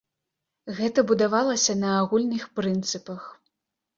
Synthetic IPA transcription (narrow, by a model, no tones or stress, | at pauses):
ɣɛt̪ɐbud̪avalˠɐsʲɐnɐːɣulʲnɨxpɾɨnt̪sɨpɐx